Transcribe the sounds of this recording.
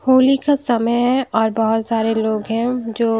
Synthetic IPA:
hoːlikasɐməjɦɛ̃ʔɔːɾbɐɦʊt̪saːɾeloːɡɦɛ̃d͡ʒoː

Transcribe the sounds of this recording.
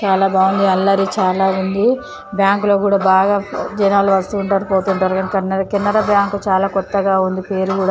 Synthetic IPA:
t͡ʃaːlaːbaːund̪iɐlːɐɾit͡ʃaːlaːund̪i | bjaːŋklo̞ːkuːɽaːbaːɡaːd͡ʒɐnaːluʋɐst̪uːɳʈaːɾupoːt̪unʈɐːɾɐɡɐnkɐnːɐɾkinːɐɾɐbjaːŋkut͡ʃaːlaːkɔt̪ːɐɡaːund̪ipe̞ːɾukuːɽa

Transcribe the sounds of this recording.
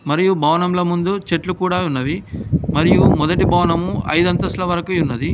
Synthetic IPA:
mɐɾijubʱɐʋɐnɐmlɐmund̪ut͡ʃeʈlukuːɽaːunːɐʋimɐɾijumɔd̪ɐʈibɐːʋɐnɐmuɐ̰jd̪ɐnt̪ɐslɐʋɐɾɐkujunːɐd̪i

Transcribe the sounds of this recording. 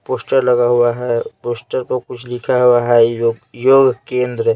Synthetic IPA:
poːsʈəɾlɐɡaɦuaɦɛpoːsʈəɾpɐɾkʊt͡ʃʰlɪkʰaɦuaɦɛd͡ʒojoːɡkẽːnd̪ɾ

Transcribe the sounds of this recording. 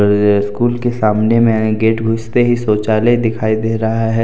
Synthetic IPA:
ɾɪskuːlkesaːmnemẽɡeːʈɡʱʊst̪eɦisoːt͡ʃaːled̪ɪkʰaːid̪eːɾɐɦaɦɛ

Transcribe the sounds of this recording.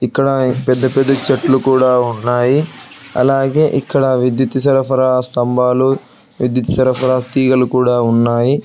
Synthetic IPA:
ikːɐɽɐpɛd̪ːɐpɛd̪ːɐt͡ʃɐʈlukuːɽaːunːaːjiɐ̰laːɡe̞ːʔikːɐɽɐʋid̪jit̪isɐɾɐpʰɐɾast̪ɐmbʱaːlu | ʋid̪jɐt̪i̥sɐɾɐpʰɐɾat̪iːɡɐlukuːɽaːunːaːji

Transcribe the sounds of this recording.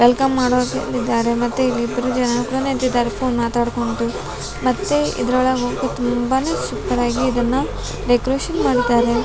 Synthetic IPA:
ʋelkɐmːaːɽoːtḛnd̪id̪ːaːɾe̞mɐt̪ːuilːiːd̪ːɐɾud͡ʒɐnɐkuɽɐnent̪id̪ːaːɾepʰoːnmaːt̪aːɽko̞ɳʈu | mɐt̪ːeḭd̪ɾɐɭɐɡoːkut̪umbaneːʃukt̪ɐɾaːɡiːd̪ɐnːu | ɾekɾeːʃɐnmaːɽid̪aːɾe

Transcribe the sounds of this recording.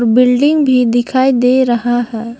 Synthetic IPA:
ɾbɪlɖɪ̃ŋɡbʱid̪ɪkʰaːid̪eːɾɐɦahɛː

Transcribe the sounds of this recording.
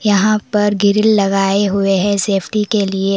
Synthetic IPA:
jɐɦãpɐɾɡɪɾɪlːɐɡaːeɦueɦɛ̃seːpʰʈikelie

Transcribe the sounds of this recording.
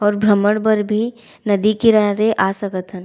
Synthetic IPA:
ɔːɾbʱɾəməɽ̃bəɾbʱi | nɐd̪ikiɾaɾeʔaːsəkət̪ʰən

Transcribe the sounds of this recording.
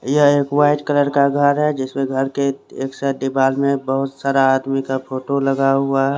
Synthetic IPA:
jəeːkwaːɪʈkələɾkaɡʱəɾɦɛd͡ʒɪsmẽɡʱəɾkeeːksəɖ̪ɪbaːlmẽbəɦʊt̪saːɾaːd̪mikapʰoːʈoləɡaɦʊaɦɛ

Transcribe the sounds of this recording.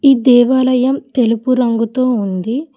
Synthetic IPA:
iːd̪ɛːʋaːlɐjɐmt̪e̞lupuɾɐŋɡut̪oːund̪i

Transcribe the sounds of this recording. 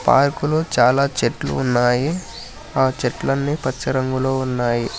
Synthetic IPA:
pa̰ːɾkuloːt͡ʃaːlaːt͡ʃeʈlṵːnːaːji | aːt͡ʃeʈlɐnːipɐt͡ʃːɐɾɐŋɡulo̞ːunːaːji

